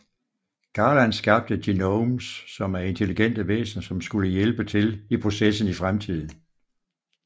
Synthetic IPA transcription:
ɡ̥ɑːlænsɡ̥ɑ̈b̥̚d̥əd̥inoʊmsːɒ̽mæɐe̝nt͡sʰe̝liɡ̥en̰d̥əʋḛːsnɐsɒ̽msɡ̥uləjelb̥ət͡sʰe̝lipʰʁo̝sesn̩ifʁamt͡sʰið̞̰ˠn̩

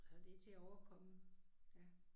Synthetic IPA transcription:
hɑd̥e̝t͡sʰe̝æɒʊɐkʰɒ̽məjæ

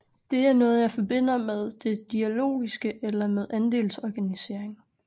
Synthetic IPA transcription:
d̥e̝æɐnɔ̽ːð̞̩ˠjɑ̈ɪfɒ̽b̥e̝n̰ɐmeð̞ˠd̥e̝d̥iælo̝̰ːisɡ̥əʔelɐmeðˠʔænd̥e̝̰ːlsɒɡ̥ænise̝ɐ̰e̝ŋ

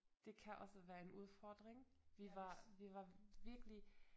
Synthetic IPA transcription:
d̥eːkʰɛɐʔɔ̰səvɛɐɪnʔṵfɔɐdəʁɪŋviːvaːɐviːvaːɐvɪɐklɪç

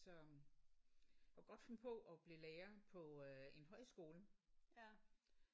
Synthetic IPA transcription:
sɒ̽ | ɡ̥ɒ̽d̥fempʰɔ̽ʔɒ̽b̥lileːɐpʰɒ̽e̝nɦɒ̽ɪsɡ̥o̝ːlə

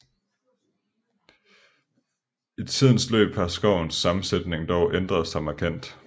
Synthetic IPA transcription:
e̝d̥t͡sʰið̞̰ˠn̩slø̰ːb̥hɑsɡ̥ɒʊnsːɑ̈mn̩sed̥ne̝ŋd̥ɒʊʔend̥ʁɐð̞̩ˠsɑ̈ɪmɑ̈kʰæn̰d̥

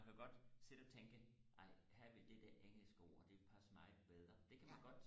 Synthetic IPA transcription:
ænkʰæjoɡ̥ɒ̽d̥se̝d̥əɒ̽t͡sʰeŋɡ̥əʔɑ̈ɪ̰hæɐ̰ʋe̝ld̥ed̥æɐʔeŋ̰l̩sɡ̥əɒ̰ːɒd̥e̝pʰæsɐmɑ̈ɪb̥eð̞ˠʁɐd̥e̝kʰæmænɡ̥ɒ̽d̥

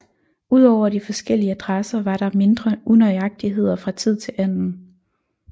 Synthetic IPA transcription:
uð̞̰ˠɒʊ̰ɐdifɒ̽sɡ̥el̰iəæd̥ʁasɐʋɑ̈ɾ̥ɑ̈me̝nd̥ʁɐʔunɒɪɑ̈ɡ̥̚d̥iɦe̝ð̞̰ˠɐfʁɑ̈t͡sʰið̞̰ˠt͡sʰe̝lʔæn̰n̩

